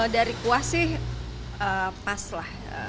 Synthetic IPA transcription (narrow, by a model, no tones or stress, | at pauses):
daɾikuahsɪh | əpaslah | ə̰